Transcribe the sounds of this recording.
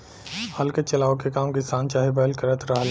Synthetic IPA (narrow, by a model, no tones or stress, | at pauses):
hɐlket͡ʃɐlaːokekaːmkɪsaːnt͡ʃaːɦibəəlkəɾət̪ɾɐɦl